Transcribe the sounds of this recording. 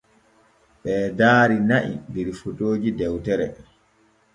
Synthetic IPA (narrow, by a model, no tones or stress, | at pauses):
ɓɛːdaːɾinaʔḭbiɾifutʼoːd͡ʒidɛwtɛɾɛ